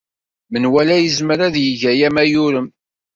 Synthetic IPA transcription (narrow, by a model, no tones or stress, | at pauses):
mənwælæjəzməɾæðjəʝæjæmæjʊɾəm